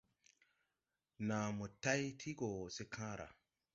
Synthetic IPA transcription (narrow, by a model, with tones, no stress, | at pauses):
nã˨mo˨ta˦jtʰi˦ɡo˨se˦kʰãː˦ɾa̰˨